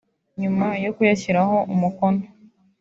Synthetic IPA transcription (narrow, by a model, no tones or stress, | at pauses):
ɲumajokujaçiɾaho̞ʔumukono